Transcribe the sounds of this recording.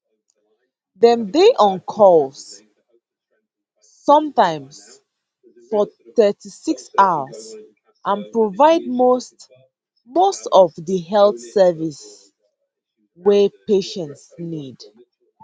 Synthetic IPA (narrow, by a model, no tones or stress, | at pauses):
ðɛ̃mdeʔɔ̃nkʰɔls | ʌ̃mtãɪ̃ms | fɔθɛtisiksawəs | ʔãnpɹovaɪd̚most | mostɔvðəɦɛlθsɛvis | wɛpeʃɛ̃ntsnid